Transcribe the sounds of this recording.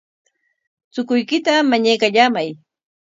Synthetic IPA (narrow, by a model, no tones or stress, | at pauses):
t͡sʊkʊjkɪt̪amaɲajkaʎamaj